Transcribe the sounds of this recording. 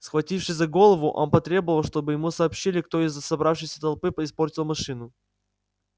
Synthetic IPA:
sxvɐtʲifʂɨsʲzɐɡo̞lˠəvʊʔo̰mpɐt̪ɾʲe̞bəvəlˠʂt̪o̞bɨjɪmusɐːpɕːilʲɪkt̪o̞ɪzːəsɐbɾafʂɨjsʲə̥t̪ɐlˠpɨpəɪspo̞rtʲɪlˠmɐʂɨnʊ

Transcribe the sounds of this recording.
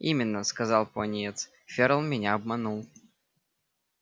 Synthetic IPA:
imʲɪnːəskɐzɑlˠpʊɐnʲjɛt̪s | fʲeɾəlˠmʲɪnʲaɐbmɐnulˠ

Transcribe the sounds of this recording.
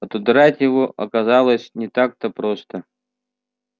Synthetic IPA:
ɐt̪ʊd̪ɾatʲjɪvoʔɐ̰kɐzalˠəsʲnʲɪt̪ak̚t̪əpɾost̪ə

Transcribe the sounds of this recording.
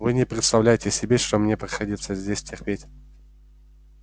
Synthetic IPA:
vɨnʲɪpɾʲɪt̪st̪ɐvlʲæjɪtʲɪsʲɪbʲeʂt̪omnʲepɾʲɪxɐdʲit̪səzʲdʲesʲtʲɪrpʲetʲ

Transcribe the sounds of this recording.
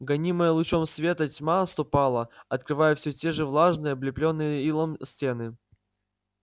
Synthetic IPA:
ɡɐnʲiməjəlˠʊt͡ɕo̞msvʲe̞t̪ətʲmaɐst̪ʊpalˠəɐt̪kɾɨvajəfsʲɵtʲe̞ʐɨvlˠaʐnɨjəblʲɪplʲonːɨjəilˠəmsʲtʲenɨ

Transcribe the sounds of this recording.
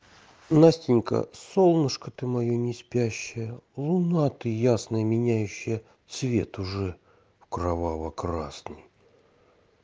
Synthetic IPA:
nasʲtʲɪnʲkə̰solˠnɨʂkət̪ɨmɐjonʲɪspʲæɕːɪjəlˠʊnat̪ɨjasnəjəmʲɪnʲæjʉɕːɪjə | t̪svʲe̞̰t̪ʊʐɛ | fkɾavavəkɾa̰snɨj

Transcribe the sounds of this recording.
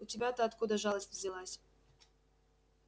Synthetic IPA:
ʊtʲɪbʲat̪əːt̪kud̪əʐɑlˠəsʲt̪ʲvʲzʲɪlˠasʲ

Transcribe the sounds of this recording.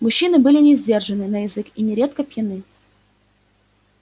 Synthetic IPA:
mʊɕːinɨbɨlʲɪnʲɪzʲdʲe̞rʐɨnɨnəjɪzɨkinʲɪɾʲe̞t̪̚kəpjɪnɨ

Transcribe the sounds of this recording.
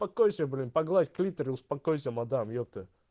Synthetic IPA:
pɐkojsʲɐblʲinpɐɡlˠatʲklʲit̪əɾʲɪʊspɐkojsʲəmɐd̪amjop̚t̪ɨ

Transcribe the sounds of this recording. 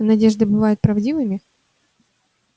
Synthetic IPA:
nɐdʲeʐd̪ɨbɨvajʊt̪̚pɾɐvdʲivɨmʲɪ

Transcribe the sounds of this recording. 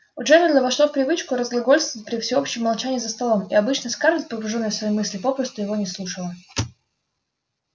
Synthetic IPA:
ʊʐɛvʲɪd̪ləvɐʂlˠofpɾʲɪvɨt͡ɕkʊɾəzɡlˠɐɡo̞lʲst̪vt̪̚ʲpɾʲɪfsʲɪo̞pɕɪjəmːɐlˠt͡ɕænʲɪːzəst̪ɐlˠo̞mɪ̰ɐbɨt͡ɕnəskarbʲɪt̪̚ʲpəbʊʐonːəjəsvɐjejmɨsʲlʲɪpo̞pɾəst̪ʊjɪvo̞nʲɪslˠuʂəlˠə

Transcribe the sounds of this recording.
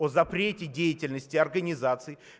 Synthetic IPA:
ozɐpɾʲetʲɪdʲejɪtʲɪlʲnəsʲtʲɪɐrɡənʲɪzat̪sɨj

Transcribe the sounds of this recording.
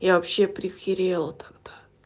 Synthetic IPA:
javɐpɕːepɾʲɪxʲɪɾʲelˠət̪ɐɡd̪a

